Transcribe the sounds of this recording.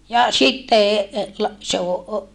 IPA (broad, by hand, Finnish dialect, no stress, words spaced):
jɑ sitːe lɑ se o